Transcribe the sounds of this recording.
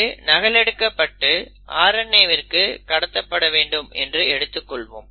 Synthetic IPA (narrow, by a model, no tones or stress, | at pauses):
ɯnɐɣɐɭɛɽɯkːɐpːɐʈːɯ | ʔa̰ːɾɐɳːɐɪʋɪrkɯkɐɽɐt̪ːɐpːɐɽɐʋeːɳɖɯmɛ̰ndrɯɛɽɯt̪ːɯkːɔɭʋo̰ːm